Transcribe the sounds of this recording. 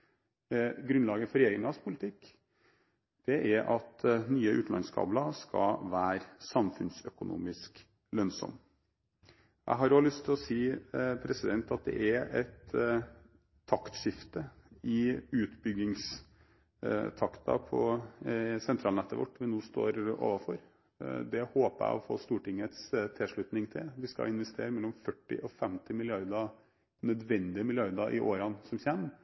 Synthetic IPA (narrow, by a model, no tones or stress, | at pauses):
ɡɾʉnlɑːɡəfɔɾɛjeːɾɪŋɑspʰʊlɪt̪ʰɪkː | d̪̥ɛʔæɾʔɑt̪nyːəʔʉ̰ːt̪n̩ɑ̰nskʰɑ̰ːblɑskɑ̰ʋæːɾsɑmfʉnsœkʊnṵːmɪsk | lœnsɔ̰m | jʔæ̰ɪɦɑɾoːlʏst̪ʰːɪlɔsiːpʰɾɛsɪd̪ɛnt̪ɑt̪̚d̪ɛ̰ʔæɾɛt̪ | ɑkt̪ʂɪft̪əɪʉːt̪bʏɡɪŋs | t̪ʰɑkt̪ʰɑ̰pʰɔ | sɛnt̪ʰɾɑːlɛt̪ːəʋɔ̰ʈːʋɪnuːst̪o̰ːɾo̰ːʋɑfɔɾ | d̪ɛhoːpəæ̰ɪɔfo̰ːst̪uːʈɪŋət̪st̪ʰɪʂɭʉt̪nɪŋt̪ʰɪlʋɪskɑ̰ɪnʋɛst̪ʰḛːɾəmɛlːɔmfœʈːɪ̰ʔɔfɛmt̪ɪmɪlɪɑɾd̪ɑ | nœd̪ʋɛnd̪ɪəmɪlɪɑɾd̪ɑʔɪ̰ʔoːɾɑnsɔmçæmː